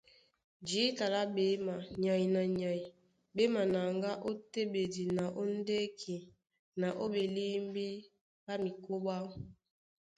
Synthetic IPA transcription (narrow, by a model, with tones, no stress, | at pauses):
d͡ʒi˨˦ta˨la˦be˨˦ma˨ɲa˨i˨na˨ɲa˨i˨ | be˦ma˨na˨ŋɡa˦ʔo˦te˦be˨di˨na˨ʔo˦n˦de˦kʰi˨ | na˨ʔo˦be˨li˦m˦bi˦ | ba˦mi˨ko˦ba˦